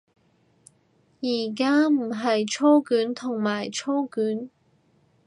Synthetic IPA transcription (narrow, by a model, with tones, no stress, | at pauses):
jiː˨˩k̬aː˥m̩˨˩ɦɐ˨jt͡ʃʰo˥wkyː˨˥nt̪ʰʊ˨˩ŋmaː˨˩jt͡ʃʰo˥wkyː˨˥n